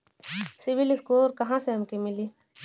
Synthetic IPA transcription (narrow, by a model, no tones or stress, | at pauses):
sɪʋɪlɪskoːɾkɐɦãseɐmkimɪliː